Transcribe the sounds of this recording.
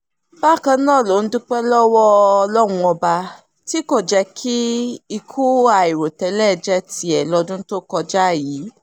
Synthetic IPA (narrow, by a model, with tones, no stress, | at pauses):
ba˦˨kã˧˦nãː˦˨lo˨˦n̩˦dũ˦k͡pɛ˦lɔ˦wɔ˦˧lɔ˦wũ˧ɔ˧ba˧ | ti˦ko˦˨d͡ʒɛ˧kʰi˦i˧kʰu˦a˨i˨ɾo˨tɛ˧lɛ˦˨d͡ʒɛ˦ti˧˦ɛ˨lɔ˧˦dũ˦to˦kɔ˧d͡ʒa˦˨jiː˨˦